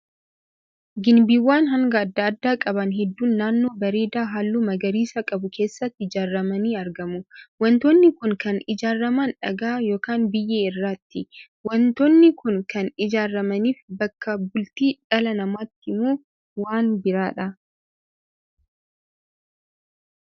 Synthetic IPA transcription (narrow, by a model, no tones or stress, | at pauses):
ɡɪnbiːwːaːnɦɐŋɡɐɐd̪ːɐːd̪ːaːkʼɐbɐnɦɛd̪ːuːnːaːnːo̞ːbɐɾeːd̪aːɦaːlːuːmɐɡɐɾiːsɐkʼɐbʊkʰe̞ːsːɐt̪ːɪɪd͡ʒaːrːɐmɐniːɐɾɡɐmʊwɐnt̪ɔnːɪkʊŋkɐnɪd͡ʒaːrːɐmaːnᶑɐ̰ɡaːjo̞ːkaːnbɪjːeːɪrːaːt̪ːɪ | wɐnt̪onːɪkʊnkɐnɪd͡ʒaːrːɐmɐniːfbɐkːɐbʊlt̪iːᶑɐlɐnɐmaːt̪ːɪmoː | waːnbɪɾaːᶑɐ